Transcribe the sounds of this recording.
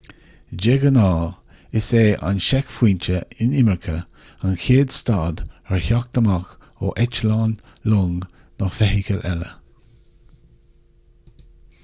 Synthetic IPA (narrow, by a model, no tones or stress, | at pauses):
d͡ʒeɡənɑː | ɪseːʔa̰nʃɛkfwiːnt͡ʃəɪnɪməɹkʰə | anxʰeːd̪st̪aːd̪əɹçak̚d̪̥əmak | o̰ʔɛt͡ʃlaːn | loːŋ | nɔxfɛɦikəlɛlə̰